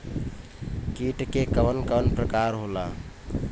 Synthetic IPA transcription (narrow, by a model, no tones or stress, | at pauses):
kiʈkekəʋənkəənpɾəkaɾɦola